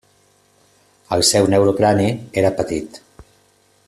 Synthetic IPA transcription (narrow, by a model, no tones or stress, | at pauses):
əlˠsɛwnewɾoklanieɾəpət̪it̪